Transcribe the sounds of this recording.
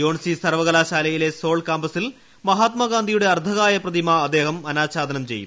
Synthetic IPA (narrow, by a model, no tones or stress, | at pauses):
jo̞ːɳsisɐrʋɐɣɐlaːɕaːlɐjile̞so̞ːɭkaːmbɐsil | mɐɦaːt̪mɐɡaːnd̪ʱijuɽe̞ɐrd̪ʱɐɣaːjɐprɐd̪imɐɐd̪ːe̞ːɦɐmɐnaːɕaːd̪ʱɐnɐmt͡ɕe̞̰jːṵ